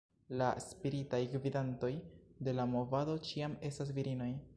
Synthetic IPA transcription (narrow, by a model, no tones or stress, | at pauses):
laspiɾitajkvidanto̞jde̞lamo̞vado̞t͡ʃiame̞stas̬viɾino̞j